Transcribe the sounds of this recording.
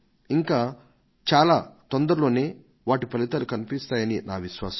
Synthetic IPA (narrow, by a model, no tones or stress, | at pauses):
iŋkaː | t͡ʃaːlaːt̪ɔnd̪ɐɾlo̞ːne̞ː | ʋaːʈipɐlit̪ɐlukɐnipist̪aːjɐninaːʋiʃʋaːsɐ̥